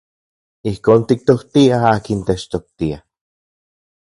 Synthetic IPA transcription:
ihkoːnt̪ik̚t̪oht̪iaaːkint̪et͡ʃt̪ok̚t̪ia

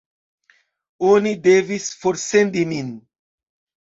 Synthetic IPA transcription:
onid̪evisfoɾsend̪imin

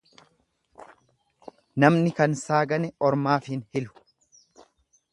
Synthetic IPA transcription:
nɐmnɪkɐnsaːɡɐnɛʔɔɾmaːfɪnhɪlʊ̥

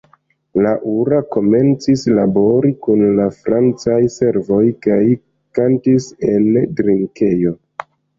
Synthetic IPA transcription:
laʔuɾako̞me̞nt͡sislabo̞ɾikunlafɾant͡sajse̞ɾvo̞jkaj | kantise̞ndɾiŋke̞jo̞

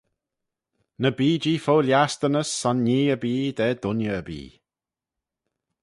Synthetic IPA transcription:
nəbiːd͡ʒiːfowljast̪ənəsːanːiːəbiːd̪ɛːd̪ʊnjəəbḭː

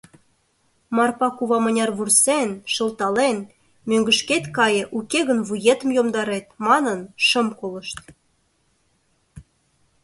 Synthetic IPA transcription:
mɑrpɑkuβɑmə̆nʲɑrβursenʃə̆lt̪ɑlen | møŋɡə̆ʃket̪kɑjĕʔukeɣənβujet̪ə̆mjomd̪ɑɾet̪̚mɑnənʃə̆mkoləʃt̪

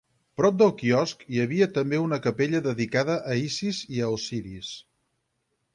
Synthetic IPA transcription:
pɾɔp̚d̪əlˠkiɔskiəβ̞iət̪əmbeunəkəpeʎəðəðikaðəʔːisiziəːsiɾḭs

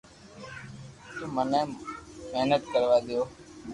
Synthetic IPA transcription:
t̪uːməneːmeɦnət̪kəɾʋaːɗ̪ɪjoː

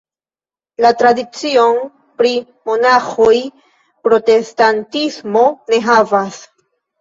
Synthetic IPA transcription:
latɾadit͡sio̞n | pɾi | mo̞naxoj | pɾo̞te̞stantismo̞ne̞ɦavas

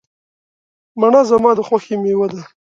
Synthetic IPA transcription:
maɳazamɑd̪əxwaxemewad̪a

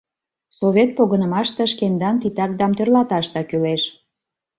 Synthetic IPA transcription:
soβʲet̪̚poɣənə̆mɑʃt̪ə̆ʃkend̪ɑnt̪it̪ɑk̚d̪ɑmt̪ørlɑt̪ɑʃt̪ɑkyleʃ

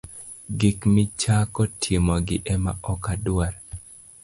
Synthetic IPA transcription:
ɡikmɪt͡ʃakɔtʰimɔɡɪʔɛma̰ɔkadwaɾ

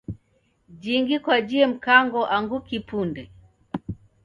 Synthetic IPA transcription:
d͡ʒiŋɡikwad͡ʒiɛm̩kaŋɡɔʔaŋɡukipundɛ

